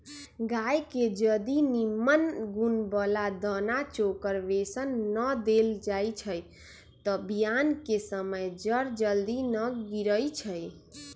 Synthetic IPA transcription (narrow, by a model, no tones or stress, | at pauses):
ɡajked͡ʒəd̪inimːənɡunbəlad̪ənat͡ʃokəɾʋesənːəd̪eld͡ʒajt͡ʃʰəj | t̪ɔbijankesəməjd͡ʒəɾd͡ʒəld̪inəɡiɾəjt͡ʃʰəj